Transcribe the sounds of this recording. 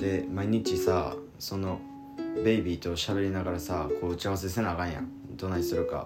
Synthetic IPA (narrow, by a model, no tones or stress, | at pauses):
d̪̥e̞maiɲ̟it͡ɕisa | so̞no̞ | be̞ibʲit̪o̞ɕaβe̞ɾʲinaɡaɾasako̞ːɯ̟t͡ɕiaβas̬es̬enaɡãɰ̃jã̰ | d̪̥o̞naɲisɨɾɯ̟ka̰